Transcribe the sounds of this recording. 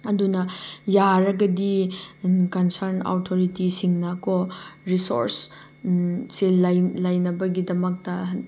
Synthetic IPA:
ɐdunɐjaɾɐɡɐdi | kɐnsɐɾna̰wtʰoɾitisiŋnɐkoɾiso̰ɾs | silɐjlɐjnɐbɐɡidɐmɐk̚tɐ

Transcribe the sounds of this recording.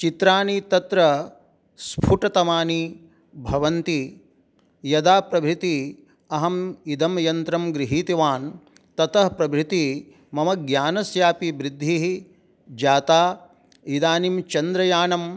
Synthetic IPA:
t͡ʃit̪ɾaːnit̪ɐt̪ɾɐ | spʰuʈɐt̪ɐmaːni | bʱɐʋɐnt̪i | jɐd̪aːpɾɐbʱɾit̪i | ɐɦɐmid̪ɐmjɐnt̪ɾɐmɡɾiɦiːt̪iʋaːn | t̪ɐt̪ɐɦpɾɐbʱɾit̪i | mɐmɐɡjaːnɐsjaːpibɾɪd̪ʱːiɦi | d͡ʒaːt̪aː | id̪aːnimt͡ʃɐnd̪ɾɐjaːɳɐm

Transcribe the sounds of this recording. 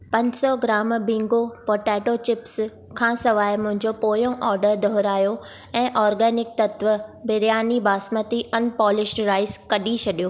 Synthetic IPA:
pɐ̃ɲd͡ʑsɔɡɪɾaːmbɪ̃ŋɡopɔːɾʈɛːʈot͡ɕɪps | kʰãːsɐʋaːɪmʊ̃ɦɪ̃ɲd͡ʑopoːjõʔɔːɾɖəɾd̪ʱɔɦɾaːjo | ɛ̃ːʔɔːɾɡɛːnɪk̚t̪ɐt̪ʋəbɪɾjaːnibaːsmət̪iʔɐnpɔːlɪʃʈɾaːɪskɐɗit͡ɕʰɐɗijoː

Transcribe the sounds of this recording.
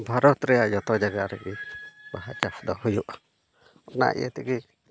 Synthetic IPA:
bʱaɾɔt̪ɾɛjad͡ʒɔt̪ɔd͡ʒaɡaʔɾɛ̰kibaɦat͡ʃasd̪ɔɦujuʔ | ɔna̰ʔḭjɛ̰t̪ɛɡi

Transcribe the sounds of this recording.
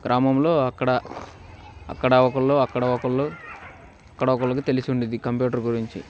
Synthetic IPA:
ɡ̥ɾʔaːmɐmlo̞ːɐkːɐɽɐ | ɐ̰kːɐɽɐɔkɐllːoːɐkːɐɽɐɔkɐllo̞ː | ɐkːɐɽɐɔkɐɭːlɐk̬it̪e̞lisiuɳɖind̪ikɐmpjuːʈɐɾɡuɾiɲt͡ʃḭ

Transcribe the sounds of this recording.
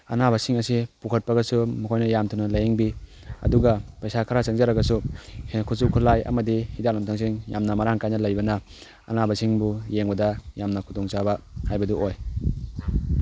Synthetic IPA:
ɐ̰nabɐsiŋɐsipukʰɐt̚pɐɡɐsumukʰojnɐjamtʰunɐlɐjeŋbi | ɐ̰duɡɐpɐjsakʰaɾat͡ʃɐŋzaɾɐɡɐsuhekʰusukʰulajɐ̰mɐdihidalumtʰaŋs̬iŋja̰mnɐmaɾaŋkajnɐlɐjbɐnɐ | ɐ̰nabɐsiŋbujeŋbɐdɐjamnɐkʰudɔŋt͡ʃabɐhajbɐduʔoj

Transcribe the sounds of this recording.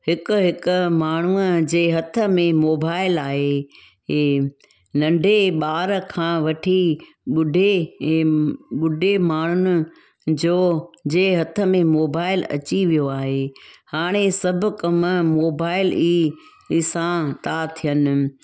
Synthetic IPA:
hɪkʊɦɪkʊmaːɳ̤uəd͡ʑeːɦɐt̪ʰə̆mẽmoːbaːɪlaːɦe | eː | nɐ̃ɳɖʱeɓaːɾəkʰãːʋɐʈʰi | ɓʊɖʱe | ɓʊɖʱemaːɳ̤ʊnɪ̆ | d͡ʑoːd͡ʑeːɦɐt̪ʰə̆mẽmoːbaːɪlɐ̰t͡ɕiʋijoaːɦeːhaːɽ̃esɐbʱʊ̆kɐmmoːbaːɪliː | sãt̪at̪ʰijənɪ̆

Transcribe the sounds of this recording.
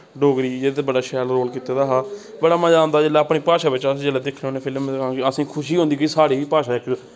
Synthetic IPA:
ɖoːɡɾiːeːt̪ebəɖaːʃɛːlɾoːlkit̪eːd̪aːɦaː | bəɽaːmãːd͡ʒãːnd̪aːd͡ʒeːlaːapɳiːpaːʃaːʋɪt͡ʃasd͡ʒeːlaːd̪ɪkʰneoːnẽːpʰɪləmkãːkɪəsĩːkʰʊʃiːɦõːnd̪iːkiːsaːɽeːiːpaːʃaːɪkː

